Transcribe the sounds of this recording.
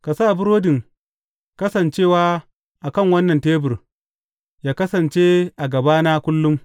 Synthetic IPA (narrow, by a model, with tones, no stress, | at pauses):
ka˨saː˦˨bʊ˦ɾoː˦dɪ˨ŋ | kɐ˦sɐ˨nt͡ʃeː˦˨waː˦ | ʔa˨kɐ˦˨ŋwɐ˦nːɐ˨nteː˦bʊ˨r | jaː˦kɐ˦sɐ˨nt͡ʃeː˦ʔa˨ɡɐ˨baː˦na˦kʷʊ˦lːʊ˦m